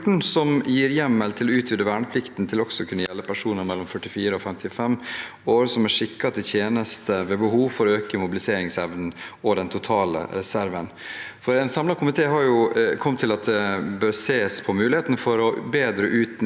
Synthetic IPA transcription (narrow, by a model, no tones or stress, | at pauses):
ʈɳ̩sɔmjiːɾjɛmːəlt̪ʰɪlɔʉːt̪ʰʋɪd̪əʋæːɳəpʰlɪkt̪nt̪ʰɪlɔksɔkʰʉnːəjɛlːəpʰæʂuːnəɾmɛlːɔmfœʈːɪfiːɾəɔfɛmt̪ʰɪfɛm | oːɾsɔmɛʂɪkːɑt̪ʰɪt̪ʰjeːnəst̪ʰəʋɛːbəɦuːʋfɔɾɔøːkəmʊbɪlɪseːɾɪŋsɛʋnn̩ɔd̪ɛnt̪ʰʊt̪ʰɑːlə̰ɾɛsæɾʋənfɔɾɛnsɑmlɑkʊmɪt̪ʰeːɦɑɾjʊkʰɔmt̪ʰɪlɑt̪̚d̪ɛbøːɾseːspʰɔmʉːlɪheːt̪ənəfɔɾɔbeːd̪ɾəʔʉːt̪